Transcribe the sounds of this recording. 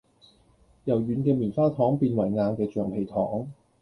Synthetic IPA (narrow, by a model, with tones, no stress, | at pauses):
jɐ˨˩wjyː˨˧nkɛː˧miː˨˩nfaː˥t̪ʰɔː˨˥ŋpiː˧nwɐ˨˩jŋaː˨˧ŋkɛː˧t͡ʃœː˨˩ŋpʰe˨˩jt̪ʰɔː˨˥ŋ